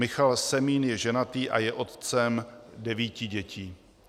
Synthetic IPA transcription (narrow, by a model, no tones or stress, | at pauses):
mɪxalsɛmiːnjɛʒɛnat̪iːʔajɛʔo̞t̪t͡sɛmdɛviːcɪɟɛcʰiː